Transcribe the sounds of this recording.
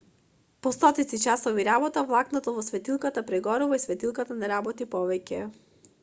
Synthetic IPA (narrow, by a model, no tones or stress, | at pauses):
pɔst̪ɔt̪it̪sit͡ʃasɔviɾabɔt̪avlˠaknɔt̪ɔvɔsvɛt̪ilˠkat̪apɾɛɡɔɾuvaisvɛt̪ilˠkat̪anaɾabɔt̪ipɔvɛcɛ